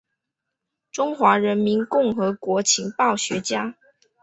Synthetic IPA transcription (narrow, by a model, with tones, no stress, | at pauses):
ʈ͡ʂʊ˥ŋxwa˧˥ɻə˧˦nmi˧˦˥nkʊ˥˩ŋxɤ˧˥kwɔ˧˥t͡ɕʰi˧˥ŋpɑ˥˩ʊɕɥɛ˧˥t͡ɕja˥